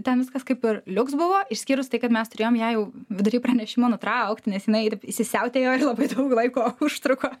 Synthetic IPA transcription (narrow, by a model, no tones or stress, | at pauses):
t̪ʲɛnʋʲɪskɐskɐɪpɪrlʲʊksbʊʋoːɪʃsʲkʲiːɾʊst̪ɐɪkɐt̪mʲɛst̪ʊɾʲeːjoːmjæːjɛʊʋʲɪd̪ʊɾʲiːprɐnʲɛʃʲɪmoːnʊt̪ɾɐʊkt̪ʲnʲɛsjɪnɐɪt̪ɐɪpɪʃʲsʲɪsʲɛʊt̪ʲeːjoːɪrlˠɐbɐɪd̪ɐʊklˠɐɪkoːʊʃt̪ɾʊkoː